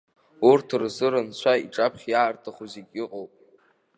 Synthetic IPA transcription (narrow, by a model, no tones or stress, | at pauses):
urtʰɨrzɨɾɨnt͡ɕʷʰaiʈ͡ʂʼapʰχʲjartʰaχuzikʲʼɪqʼowpʼ